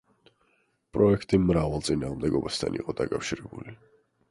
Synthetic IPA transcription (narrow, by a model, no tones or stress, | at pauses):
pʼɾɔɛkʰt̪ʼimɾavalˠt̪sʼinaːʁmd̪ɛɡɔbast̪ʰa̰nḭqʼɔd̪akʼafʃiɾɛbuli